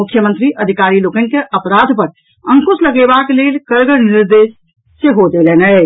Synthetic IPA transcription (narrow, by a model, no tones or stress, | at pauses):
ʊkʰjəmə̃nt̪ɾiʔəd̪ʱikaɾilokən̆keʔəpɾad̪ʱpəɾ | əŋkusləɡebaklelkəɾɡəɾniɾd̪esː | eɦod͡ʒ̪elenə